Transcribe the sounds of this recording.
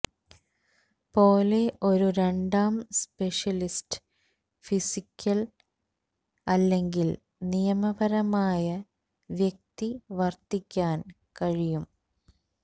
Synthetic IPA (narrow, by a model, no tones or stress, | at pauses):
po̞ːle̞ʔo̞ɾuɾe̞ɳɖaːmspe̞ʂjɐlistɨ̥ | fisikʲʰːɐl | ɐlːe̞ŋɡil | nijɐmɐbɐɾɐmaːjɐ | ʋjek̚t̪iʋɐrt̪ikʲːaːn | kɐɻijum